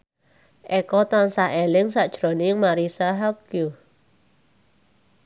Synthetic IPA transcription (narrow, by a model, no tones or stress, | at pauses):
ʔɛkɔt̪ansaɦɛlɪŋsaʔd͡ʒɾɔniŋmaɾisaɦakju